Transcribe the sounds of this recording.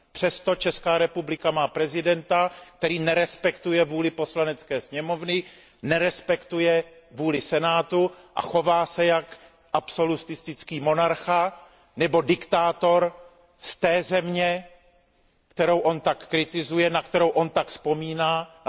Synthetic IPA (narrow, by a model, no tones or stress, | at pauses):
pr̝̥ɛst̪o̞t͡ʃɛskaːɾɛpublɪkamaːpɾɛzɪdɛnt̪ak̚t̪ɛɾiːnɛɾɛspɛkt̪ujɛvuːlɪpo̞slanɛt͡skɛːsɲɛmo̞vnɪ | nɛɾɛspɛkt̪ujɛ | vuːlɪsɛnaːt̪uʔa̰xo̞vaːsɛjak | ʔapso̞lust̪ɪst̪ɪt͡skiːmo̞naɾxa | nɛbo̞dɪkt̪aːt̪o̞ɾ | st̪ɛːzɛmɲɛ | kt̪ɛɾo̞wʔo̞nt̪akːɾɪt̪ɪzujɛnakt̪ɛɾo̞wʔo̞nt̪akspo̞miːnaː